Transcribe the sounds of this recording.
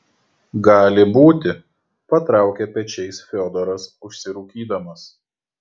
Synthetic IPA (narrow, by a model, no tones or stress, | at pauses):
ɡɑːlʲɪbuːt̪ʲɪ | pɐt̪ɾɑˑʊkʲɛpʲɛt͡ʃʲɛɪsfʲɔd̪ɔɾɐsʊʃʲsʲɪɾuːkʲiːd̪ɐmɐs